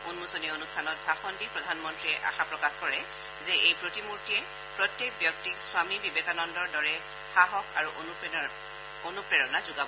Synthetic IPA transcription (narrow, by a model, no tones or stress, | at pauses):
unmusonionustʰanɔt̚bʱaxɔndipɹɔdʱanmɔntɹiɛʔa̰xapɹɔkaxkɔɹɛ | zɛʔejpɹotimuɹtijɛ | pɹɔtjek̚bjɔk̚tikswamibibɛkanɔndɔɹdɔɹɛ | xaɦɔkaɹuʔonu | onupɹɛɹɔnazʊɡabɔ